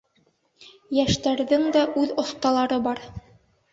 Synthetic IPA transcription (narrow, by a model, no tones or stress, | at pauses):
jæʃt̪æɾðɘŋd̪æʔʉðŏθt̪ɑlˠɑɾɤbɑɾ